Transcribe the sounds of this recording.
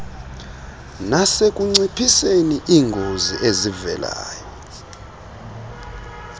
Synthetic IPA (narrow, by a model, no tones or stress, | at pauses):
nasek̬ʼuŋ͡ǀipʰiseniʔiːŋɡʱozḭʔezivɛ̰la̰ːjɔ